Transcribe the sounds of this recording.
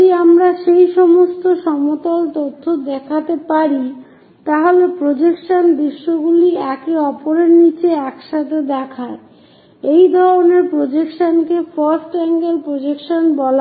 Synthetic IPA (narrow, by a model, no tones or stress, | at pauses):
iamɾaʃejʃɔmost̪oʃɔmot̪ɔlt̪ot̪ʰːod̪ɛkʰat̪epaɾi | t̪aɦolepɾod͡ʑekʃond̪ɾiʃːoɡuliɛkeɔpoɾeɾnit͡ɕeɛkʃat̪ʰed̪ɛkʰaɾ | ejd̪ʱɔɾoneɾpɾod͡ʑekʃonkefaɾsʈɛŋɡelpɾod͡ʑekʃonbɔla